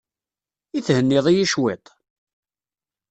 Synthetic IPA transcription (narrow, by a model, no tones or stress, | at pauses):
iθhənːɪðˤijiʃwet̪ˤ